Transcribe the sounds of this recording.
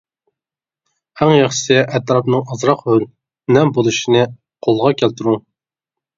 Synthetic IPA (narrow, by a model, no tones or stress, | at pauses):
æŋjɑχʃsɪʔɛt̪ɾɑpnɨŋɑzɾɑqhøl | nɛmbolˠuʃinɨ | qʰolˠʁɑkʲʰælt̪ɪɾuŋ